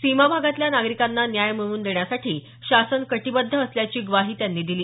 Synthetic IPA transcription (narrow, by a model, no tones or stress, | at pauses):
simabʱaɡat̪ljanaɡɾikanːanjajmiɭuːnd̪eɳjasaʈiː | ɕasənkəʈibəd̪ʱːəːsljat͡ɕiːɡʋaɦiːt̪janːiːd̪iliː